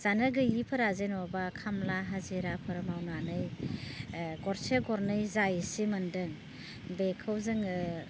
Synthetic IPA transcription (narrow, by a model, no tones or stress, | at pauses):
zanɯɡɯjipʰɯɾazenɔbakʰamlaɦaziɾapʰɯɾmawnanɯj | ɡɔɾsʰeɡɔɾnɯjzajsimandɯŋ | bekʰɯwzɯŋɯ